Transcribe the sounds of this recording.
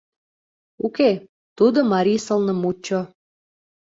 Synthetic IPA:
uke | t̪ud̪omɑɾisə̆lnə̆mut͡ɕːo

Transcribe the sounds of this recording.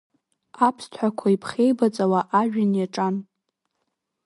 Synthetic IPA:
apʰstʰħʷakʷʰaipʰχʲejbat͡sʼawaʔaʒᶣanjaʈ͡ʂʼan

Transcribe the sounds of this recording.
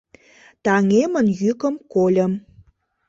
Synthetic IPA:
t̪ɑŋemə̆njykə̆mkolʲə̆m

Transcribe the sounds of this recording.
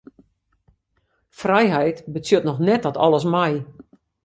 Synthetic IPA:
frɛjɦɛjtbət͡sjøtnɔxnɛt̚dɔtʰɔ̰lˠəsmɛj

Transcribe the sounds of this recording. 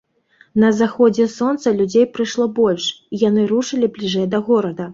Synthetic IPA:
nɐzaxɔd͡zʲɛsɔnt̪sɐlʲud͡zʲejpɾɨʂlˠɔbɔlʲʂijanɨɾuʂɨlʲiblʲiʐɛjd̪ɐɣɔɾɐd̪ɐ

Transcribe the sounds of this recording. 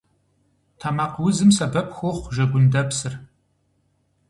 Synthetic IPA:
tʰamaːqwʊzɨmsɐbɐpxʷoχʷʒɐɡʷʊndɐpsɨr

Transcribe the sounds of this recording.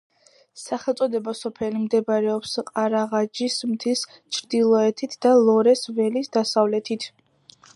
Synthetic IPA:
saχɛlˠt̪sʼɔd̪ɛbasɔpʰɛlimd̪ɛbaɾɛɔpsqʼaɾaʁad͡ʒismt̪ʰis | t͡ʃʰɾd̪ilˠɔɛt̪ʰit̪ʰd̪alˠɔɾɛsvɛlisd̪asavlɛt̪ʰit̪ʰ

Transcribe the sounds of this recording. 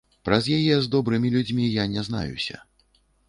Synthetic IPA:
pɾɐzjajɛzd̪ɔbɾɨmʲilʲud͡zʲmʲijanʲɛzna̰jṵsʲɐ̰

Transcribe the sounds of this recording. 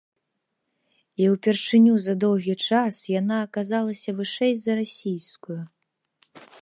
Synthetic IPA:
iwpʲɛrʂɨnʲuzɐd̪ɔwɣʲit͡ʂasjanaːkazalˠɐsʲɐvɨʂɛjzɐɾasʲijskuju

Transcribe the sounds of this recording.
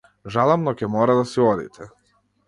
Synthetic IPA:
ʒalˠamnɔcɛmɔɾad̪asiɔd̪ḭt̪ʰɛ

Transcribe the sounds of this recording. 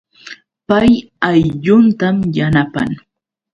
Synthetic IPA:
paj | ajʎʊnt̪amjanapa̰ŋ

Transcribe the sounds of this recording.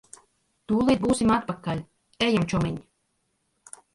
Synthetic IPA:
t̪uːlˠiːt̪̚buːsimat̪̚pakalʲ | ɛjamt͡ʃɔmiɲʲ

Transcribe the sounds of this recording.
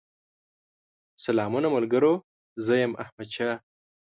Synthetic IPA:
salɑːmunamalɡəɾo | zəjamahmad̪ʃaː

